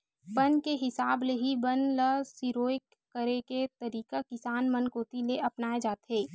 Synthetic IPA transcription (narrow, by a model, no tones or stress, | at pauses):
pɐnkeɦɪsaːbleɦibɐnləsiɾoːek | kːəɾeket̪ɐɾiːkakɪsaːnmɐnkoːt̪ileʔɐpnaːed͡ʒaːt̪ɦeː